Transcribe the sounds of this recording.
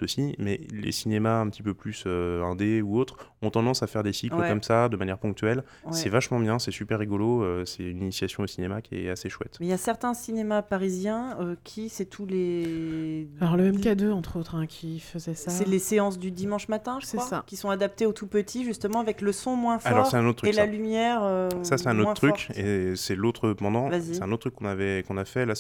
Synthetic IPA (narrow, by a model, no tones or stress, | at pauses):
osimɛlḛsinemaɛ̃pət̪ipøplysøɛ̃d̪euot̪χɔ̃t̪ɑ̃d̪ɑ̃safɛʁd̪esikəɛkɔmsad̪əmanjɛʁpɔ̃k̚t̪ɥɛl | wsɛɛvaʃmɑ̃bjɛ̃sɛsypɛʁːiɡoloøsɛyninisjasjɔ̃osinemakʲiɛ̰aseʃwɛ̰t̪mɛjasɛʁt̪ɛ̃sinemapaʁizjɛ̃økʲʰisɛt̪ʰule | alɔʁləmɛmkad̪øɑ̃t̪χot̪χɛ̃kʲʰifəzɛsaɛleseɑ̃sd̪yd̪imɑ̃ʃmat̪ɛ̃ʒəswasakʲisɔ̃ad̪ap̚t̪eot̪upət̪ʰiʒyst̪əmɑ̃avɛkləsɔ̃mwɛ̃falɔʁsɛt̪ɛ̃not̪̚t̪ːχyelalymjɛʁøsasɛt̪ɛ̃not̪wɛ̃t̪ːχyɔkesɛlot̪χəpɑ̃d̪ɑ̃vaziɛt̪ɛ̃not̪t̪ʰːχykːɔ̃navɛkɔ̃nafɛla